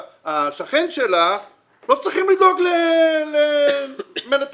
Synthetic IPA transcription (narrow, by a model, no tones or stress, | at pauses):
aʃaχenʃela | lo̞t͡sʁiχimlid̪lo̞ɡlele | menat̪